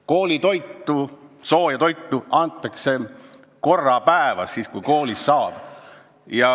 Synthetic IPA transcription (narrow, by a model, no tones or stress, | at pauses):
ko̞ːlʲit̪o̞jt̪ˑːuso̞ːjɑt̪o̞jt̪ˑːuʔɑnt̪ˑːɑkse̞ | ko̞rːɑpæevɑsːiːskujko̞ːlisːɑːb̥ | jɑ